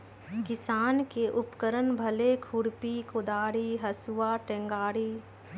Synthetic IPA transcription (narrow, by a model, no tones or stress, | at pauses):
kɪsaːnkeʔʊpkəɾənbʱəlekʰuɽpikʊd̪aːɾiːɦɐsuʋaːʈẽŋɡaːɾiː